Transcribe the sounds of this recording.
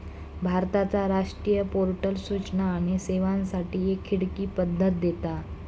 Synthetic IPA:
bʱaɾt̪at͡saɾaʂʈɾijəpoɾʈəlsut͡ɕnaːɽ̃iseʋãnsaʈiːekʰːiɽkiːpəd̪ʱːət̪̚d̪et̪a

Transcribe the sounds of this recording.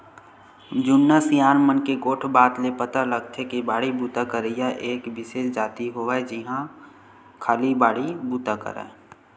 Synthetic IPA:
d͡ʒʊnːasijaːnmənkeɡoːʈʰbaːt̪lepət̪aləɡt̪ʰekibaːɽibuːt̪akəɾijaʔeːkʋɪʃeːʃd͡ʒaːt̪iɦoʋaɛd͡ʒɪɦã | kʰaːlibaːɽibuːt̪akə̰ɾa̰

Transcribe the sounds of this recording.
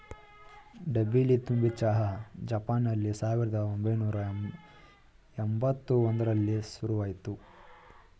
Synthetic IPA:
ɖɐbilit̪umbit͡ʃaːɦɐd͡ʒɐpaːnːɐlːisaːʋiɾɐd̪ɐombʱɐjnuːɾɐ | embɐt̪ːuond̪ɐɾɐlːisuɾuʋaːjit̪u

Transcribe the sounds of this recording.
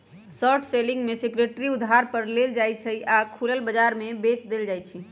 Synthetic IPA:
sɔʈʰselɪ̃ŋɡmẽsekɾeʈɾiud̪ʱɦaɾpəɾleld͡ʒajt͡ʃʰəiʔakʰuləlbəd͡ʒaɾmebesd̪eld͡ʒajt͡ʃʰi

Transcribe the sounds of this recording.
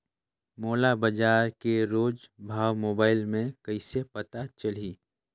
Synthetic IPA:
moːlabəd͡ʒaːɾkeɾoːd͡ʒbʱaːwmoːbaːɪlmẽkəɪsepət̪at͡ʃəl̤iː

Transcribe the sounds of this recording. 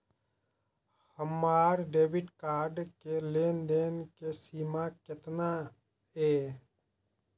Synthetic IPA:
həmːaːɾɖeːbɪʈkaːɾɖkeleːnd̪eːnkesiːmakɪt̪na | ɦeː

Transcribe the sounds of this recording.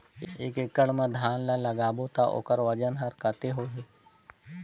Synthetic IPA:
ekɪkəɽmẽd̪ʱaːnlalɐɡaːbot̪aʔo̰kəɾʋɐd͡ʒənɦɐɾkət̪eɦoɦe

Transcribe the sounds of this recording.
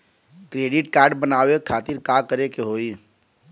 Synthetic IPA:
kɾeːɖɪʈkaːɾɖbənaːʋekʰaːt̪ɪɾkaːkəɾekeɦoːi

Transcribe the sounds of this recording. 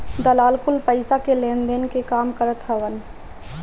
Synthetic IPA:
d̪əlaːlkʰʊlpəɪsakelẽːnd̪enkekaːmkəɾət̪ɦɛʋən

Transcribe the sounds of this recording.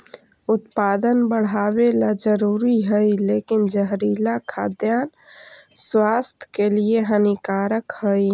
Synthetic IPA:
ut̪pad̪ənbəɽ̤abelad͡ʒəɾuɾiɦəjlekind͡ʒəɦɾilakʰa̰d̪jan | swast̪ʰə̥kelieɦənikaɾəkhəj

